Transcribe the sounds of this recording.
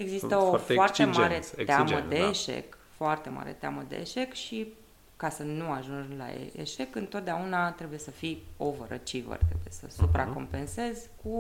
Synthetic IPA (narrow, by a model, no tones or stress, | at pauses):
e̞ɡzist̪əofoart̪emaɾe̞t̪eaməd̪eːʃe̞̰k | foart̪e̞ma̰ɾe̞̰t̪ea̰məd̪e̞̰ːʃe̞kʃi | kasənuaʒunla̰ḛḛʃe̞kɨnt̪ot̪̚d̪eaunat̪ɾebuje̞səfiovəɾə̰t͡ʃivə̰rt̪ɾe̞buje̞sə̰supɾʔa̰ko̞mpe̞nse̞zʲku